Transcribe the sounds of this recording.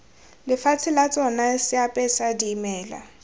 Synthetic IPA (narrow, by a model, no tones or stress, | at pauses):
lɪfat͡sʰɪlat͡sʼɔnasɪapʼɛsadiːmɛːla̰